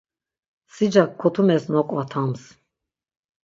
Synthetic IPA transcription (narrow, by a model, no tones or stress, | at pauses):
sid͡ʒakʰːɔt̪ʰumɛsnɔqʼvat̪ʰams